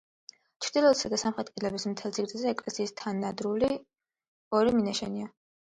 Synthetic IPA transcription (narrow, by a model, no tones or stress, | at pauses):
t͡ʃʰɾd̪ilˠɔt̪sad̪asamχɛt̪ʼqʼilɛbismt̪ʰɛlt̪sʰiɡɾt̪ʼazɛɛkʼlɛsiːst̪ʰanːad̪ɾuli | ɔɾiminaʃɛnia